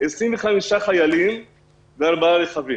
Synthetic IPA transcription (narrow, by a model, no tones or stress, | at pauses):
esɾimveχamiʃaχajalim | d̪aɾbaleχavim